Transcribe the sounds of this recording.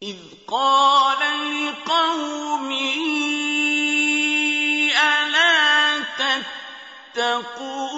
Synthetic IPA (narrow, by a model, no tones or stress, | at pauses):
ʔɪð | qɑːlalɪqɑwmi | ʔalaːt̪at̪ː | akuː